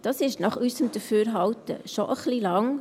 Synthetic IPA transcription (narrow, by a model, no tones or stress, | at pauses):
d̥ɑsɪʃnɑχysəmd̥̪əɾfyːɾɦɑwtə̰ʃɔʔəχlilɑŋ